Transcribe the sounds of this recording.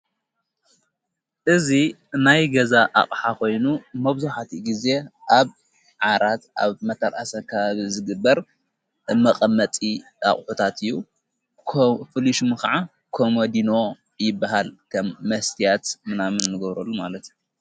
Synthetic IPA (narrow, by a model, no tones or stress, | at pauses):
ʔɨzinajɡɐzaʔa̰χʼħako̞jnumɐβzuħat̪ʰiɡize̞ʔaβ | ʕaɾat̪ʔaβmɐt̪ʰɐɾʔasɐkʰːɐβaβizɨɡɨbːɐɾ | mɐqʼɐmːɐt̪ʼi | a̰χʼħut̪ʰat̪ʰɨjːu | fɨliʃmɨkaʕa | kʰomod̪ino̞ | jɪbːaɦalkʰɐmːɐst̪ʰijat̪mɨnamɨnːɨɡɐβɾɐlːumalɐt̪ju